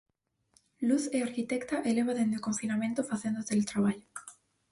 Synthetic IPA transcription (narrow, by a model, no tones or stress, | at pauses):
luθeaɾkit̪ekt̪aʔeleβ̞aðend̪ekoɱfinamẽnt̪ofaθend̪ot̪elt̪ɾaβaʎo